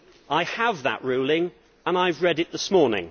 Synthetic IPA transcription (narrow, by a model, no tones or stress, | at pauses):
ʔaɪəvðə̰ʔɹʉːlˠɪ̃ŋ | ə̃naɪvɹɛdɨt̪̚ðəsmɔːɹnɪ̰̃ŋ